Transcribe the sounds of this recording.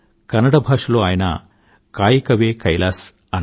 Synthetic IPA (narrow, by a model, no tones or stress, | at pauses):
kɐnɐɽɐbʱaːʂɐloːaːjɐnɐ̰ | kaːjikɐʋeːkɐjlaːs | ɐn